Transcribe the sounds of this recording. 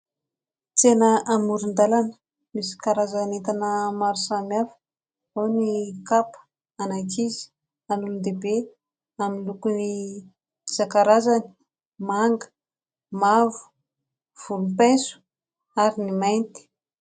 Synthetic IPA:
t͡senəʔamuɾund̪alanə̥ | misi̥kaɾazanet̪anəmaɾusamiafə̥ | onikapə̥ | anajkizi̥ | anulund̪ebe | aminlukuni | zakaɾazani̥ | maŋɡə̥ | mavu̥ | v̥uɾumpesu̥ | aɾinimajnt̪i̥

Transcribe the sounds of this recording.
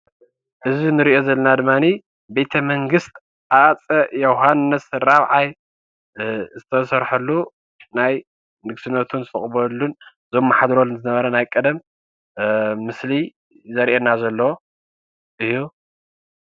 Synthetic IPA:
ʔɨzinɨɾiʔo̞zɐlːɐnad̪ɨmːani | be̞t̪ʰɐmɐŋɡɨst̪ʰ | ʔat͡sʼɐjoɦanːɨsɾaβʕaj | zɨt̪ʰɐsɐɾħɐlːu | naj | nɨɡsɨnːɐt̪ʰunzɨt̪ʰʼɐχʼbɐlːun | zo̞mːaħad̪ɾolzɨnɐβɐɾɐnajkʼɐd̪ɐm | ɨsli | zɐɾʔenazɐlːo | ʔɨju

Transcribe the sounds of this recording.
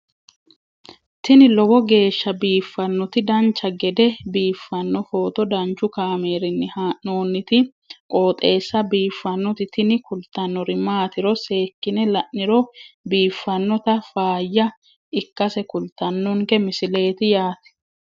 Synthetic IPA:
t̪ɪnɪlɔbɔɡe̞ːʃːɐbiːfːɐnːɔt̪ɪd̪ɐnt͡ʃːɐɡɛd̪ɛbiːfːɐnːɔfo̞ːt̪ɔd̪ɐnt͡ʃːʊkaːme̞ːɾɪnːɪhanoːnːɪt̪ɪ | kʼo̞ːt̪ʼe̞ːsːɐbiːfːɐnːɔt̪ɪt̪ɪnɪkʊlt̪ːɐnːɔɾɪmaːt̪ɪɾɔse̞ːkːɪnɛlɐʔnɪɾɔbiːfːɐnːɔt̪ɐfaːjːɐ | ɪkːɐsɛkʊlt̪ɐnːɔŋkɛmɪsɪle̞ːt̪ɪjaːt̪ɛ̥

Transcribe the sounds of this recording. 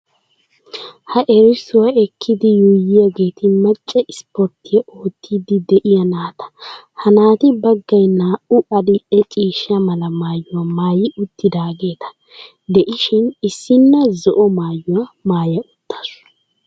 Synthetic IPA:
hɐʔɛɾɪsʊwɐɛkʰːɪd̪ɪjuːjɪjɐɡe̞ːt̪ʰɪmɐt͡ʃʼːɛʔɪspɔɾt̪ʰːɪjɛʔoːt̪ʰːiːd̪ɪd̪ɛʔɪjɐnaːt̪ʰɐ̥ | hɐnaːt̪ɪbɐɡːɐjnaːʔʊʔɐdɪʔɛt͡ʃʼiːʃɐmɐlɐmaːjːʊwɐmaːjɪʔʊt̪ːɪd̪aːɡe̞ːt̪ʰɐ̥ | d̪ɛʔɪʃɪnɪsːɪnːɐzɔʔɔmaːjːʊwɐmaːjɐʔʊt̪ʰːɐ̥sʊ̥

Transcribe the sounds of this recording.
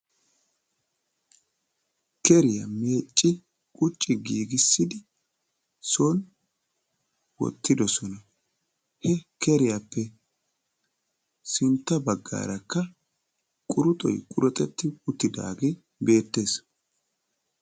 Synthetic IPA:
kɛɾɪjɐ̰meːt͡ʃʼːɪ | kʼʊt͡ʃʼːɪɡiːɡɪsːɪd̪ɪ | soːn | wɔ̰t̪ːɪd̪ɔsɔnɐ | hɛkɛɾɪjapːɛ | sɪnt̪ːɐbɐɡːa̰ːɾɐkːɐ | kʼʊɾʊt̪ʼɔ̰jkʼʊɾɔt̪ʼɛt̪ːɪʊt̪ːɪd̪a̰ːɡeː | be̞ːt̪ːe̞ːs

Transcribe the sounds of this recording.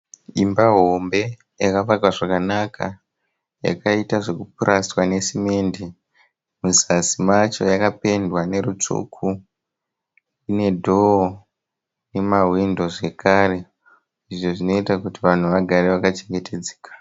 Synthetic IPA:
imbaɦo̞mbe̞ | jakaʋakwaʐakanakʰa | ja̰kaitaʐe̞kup̚uɾaswane̞simeːndi | muzasimat͡ʃo̞̰jakape̞ndwane̞ɾut͡ʂṵkʰu | ine̞dʱo | ne̞maɦwindo̞ʐe̞kʰare̞ | iʐo̞ʐino̞itakutiʋan̤uʋaɡʱaɾe̞ʋakat͡ʃe̞ŋɡe̞te̞d͡ze̥ːkḁ

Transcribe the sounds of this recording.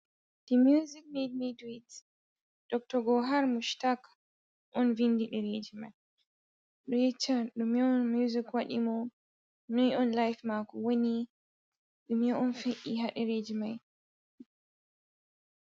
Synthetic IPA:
d̥imjuzik̚med̚midwit | d̥ɔk̚tɔɡɔɦaɾmuʃtak | ʔɔnvindiɗɛɾed͡ʒima̰j | ɗɔjɛt͡ʃːaɗumiɔnmjuzikwaɗḭmɔ | nɔnɔnlajfmakɔwoni | ɗumiɔɔnfeʔiɦaɗɛɾed͡ʒimaj

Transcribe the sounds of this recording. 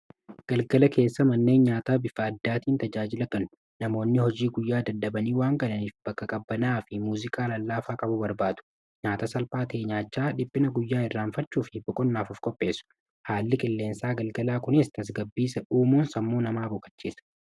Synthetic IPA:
ɡ̥ɐlɡɐlɐkʰe̞ːsːɐmɐnːe̞ːnɲaːt̪aːbɪfɐːd̪ːaːt̪iːnt̪ɐd͡ʒaːd͡ʒɪlɐkɐnʊ | nɐmo̞ːnːɪhɔd͡ʒiːɡʊjːaːd̪ɐd̪ːɐbɐniːwaːŋkɐnɐniːfb̥ɐkːɐkʼɐbːɐnaːfɪmuːzɪkʼaːlɐlːaːfaːkʼɐbʊbɐɾbaːt̪ʊ̥ | ɲaːt̪ɐsɐlpaːt̪eːɲaːt͡ʃːaːᶑɪpʼːɪnɐɡʊjːaːɪrːaːnfɐt͡ʃːuːfɪbɔkʼɔnːaːfʊfkʼɔpʼːe̞ːsʊ̥ | haːlːɪkʼɪlːe̞ːnsaːɡɐlɡɐlaːkʊnɪst̪ɐs̬ɡɐbːiːsɐʔuːmuːnsɐmːuːnɐmaːbʊkʼɐ̥t͡ʃːiːsɐ̥

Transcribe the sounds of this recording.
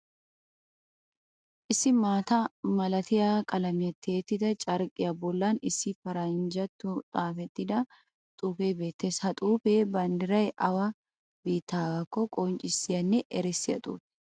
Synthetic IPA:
ʔɪsːɪmaːt̪ɐmɐlɐt̪ɪjakʼɐlɐmɪɐt̪ʰːeːt̪ːɪd̪ɐt͡ʃʼɐɾkʼɪjɐbɔlːaːnɪsːɪfɐɾɐnd͡ʒɐt̪ːʊt̪ʼaːfɛt̪ːɪd̪ɐ | t̪ʼuːfeːbe̞ːt̪ːeshɐt̪ʼuːfeːbɐnd̪ɪɾɐjʔɐwɐ | biːt̪ːaːɡɐkːɔkʼɔnt͡ʃʼɪsːɪjɐnːɛʔɛɾɛsːɪjɐ̰t̪ʼṵːt̪

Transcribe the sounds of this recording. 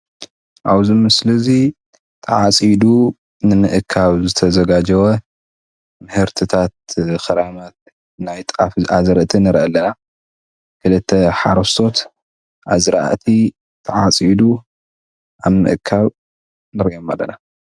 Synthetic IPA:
ʔa̰βzimɨsɨlɐzi | t̪ʰɐʕat͡sʼjid̪u | nɨmɨʔɨkʰːaβzɨt̪ʰɐzɐɡad͡ʒɐwɐ | mɨhɨɾt̪ʰɨt̪ʰat̪̚xɐɾamat̪̚ | najt̪ʼafazɨɾɐʔt̪ʰinɨɾʔɐlːɐna | kʰɨlɨt̪ʰːɐħaɾɐst̪ʰo̞t̪ | ʔaβzɨɾa̰ʔt̪ʰi | t̪ʰɐʕat͡sʼjid̪u | ʔaβmɨ̰ʔɨkʰːaβ | nɨɾijomalːɐna

